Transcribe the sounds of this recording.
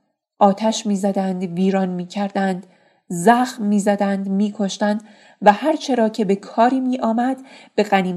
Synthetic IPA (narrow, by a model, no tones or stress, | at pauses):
ʔɒːt̪ʰæʃmiːzæd̪ænd̪viːɾɒːnmiːcʰæɾd̪ænd̪ | zæxmːiːzæd̪ænd̪miːkʰo̞ʃt̪ænd̪ | væhæɾt͡ʃʰe̞ɾɒːcʰe̞be̞kʰɒːɾiːmiːʔɒːmæd̪̥b̥e̞ɢæniːm